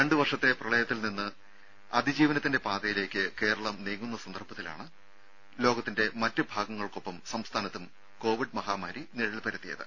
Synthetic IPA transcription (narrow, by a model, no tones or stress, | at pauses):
ɾe̞ɳɖɨʋɐrʂɐt̪ːe̞prɐɭɐjɐt̪ːilninːɨ | ɐd̪ʱid͡ʑiːʋɐnɐt̪ːinde̞paːd̪ɐjile̞ːkʲːɨke̞ːɾɐɭɐmniːŋːunːɐsɐnd̪ɐrpɐt̪ːila̰ːɳɨ | lo̞ːɡɐt̪ːinde̞mɐtːɨbʱaːɡɐŋːɐɭko̞pːɐmsɐmst̪ʰaːnɐt̪ːum | ko̞ːʋiɖmɐɦaːmaːɾiniɻɐɭpɐɾɐt̪ːijɐ̰ðɨ̰